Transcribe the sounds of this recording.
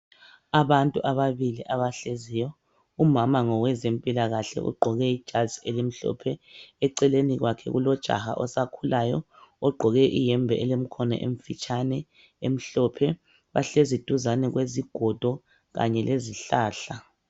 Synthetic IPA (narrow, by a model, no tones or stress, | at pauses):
aβantʼuʔaβaβiliʔaβaɬeziːjɔ | umamaŋɔwɛzempʼilaɣaɬɛ̰ʔṵɡ͡ǃʱɔɣɛid̥ʒ̥ʱḁz̥ielim̩ɬɔ̰pʰɛɛǀɛleniɣwakʰɛ̰ɣṵlɔd̥ʒ̥ʱa̰ha̰ʔɔsakʰulajɔ̰ | ɔɡ͡ǃʱɔɣɛʔijɛmbʱɛʔɛlem̩kʰɔnɛ̰ʔem̩fit͡ʃʼʰanɛ | em̩ɬɔpʰɛ | βa̰ɬezid̥ʱuzanɛɣweziɡ̥ʱɔd̥ʱɔ | ɣa̰ɲɛleziɬaːɬa